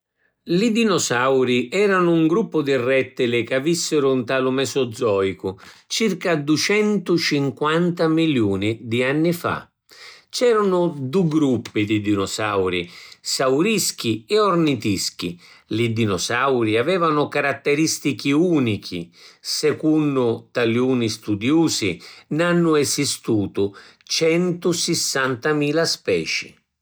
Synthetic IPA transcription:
lid̪inɔsawɾiʔɛːɾanʊuŋɡɾupːʊd̪irɛt̪ːɪlɪkavisːɪɾʊnt̪alʊmɛsɔd̪zɔːikʊt͡ʃirkad̪ut͡ʃɛnt̪ʊt͡ʃiŋkwant̪amiljuːnid̪ianːifa̰ | t͡ʃɛːɾanʊd̪uɡɾupːid̪id̪inɔsawɾḭsawɾisk̟iɛɔrnit̪isk̟ḭ | lid̪inɔsawɾiavɛːvanʊkaɾat̪ːɛɾist̪ik̟iuːnikʰḭsɛkunːʊt̪aljuːnist̪ud̪juːsinanːʊɛsist̪uːt̪ʊt͡ʃɛnt̪ʊsɪsːant̪amiːlaspɛːt͡ʃḭ

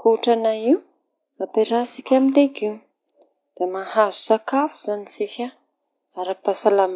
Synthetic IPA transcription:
kuʈ͡ʂanaiw | apeɾasikʲaminleɡi | d̪̥emahazusakafu̥z̥anit͡sikʲa | aɾapasalam

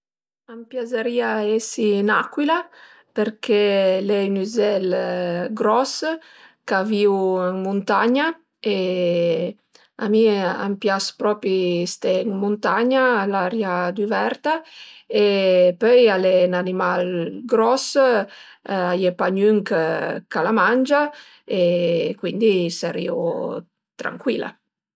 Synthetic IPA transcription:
ampjazaɾiaesinakwila | peɾkʰɛlɛynyzɛlɡɾɔs | kaviwəŋmunt̪aɲa | e | a̰mia̰mpjaspɾɔpist̪ɛŋmunt̪aɲaːlaɾjad̪yvɛɾt̪aepœjalenanimalɡɾɔs | ajepaɲyŋkkalamand͡ʒa | ekwind̪isaɾḭw | t̪ɾa̰ŋkwila̰

